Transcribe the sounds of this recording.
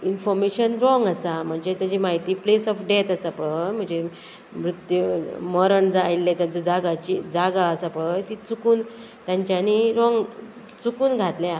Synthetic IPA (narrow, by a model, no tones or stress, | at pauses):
infɔɾmeɕənɾɔŋɡəsam̤əɳd͡zet̪jad͡ʑimaɦit̪iːplesɔfɖet̪əsapəɭəm̤əɳd͡ze | mɾut̪juməɾəɳd͡zajlːet̪jat͡sɔd͡zaɡat͡ɕid͡zaɡaəsapəɭəjt̪iːt͡sukuːn | t̪jãɲt͡ɕjaniɾɔŋɡ | t͡sukuːnɡʱat̪lja